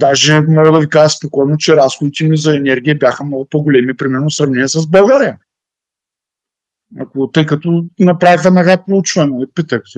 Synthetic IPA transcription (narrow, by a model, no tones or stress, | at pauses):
d̪aʒɛmɔɡəd̪ɐvikaʒəspokɔjnot͡ʃɛɾasxod̪it̪ɛmizɐɛnɛɾɡʲijəbjaxəmnɔɡʊpoɡolɛmipɾimɛɾnosɾɐvnɛnʲiəsəzbɐlˠɡaɾijə | ɐ̰kot̪ɤjkɐt̪ɔnɐpɾavixɐnɐɡapɾout͡ʃvɐnɛpit̪ək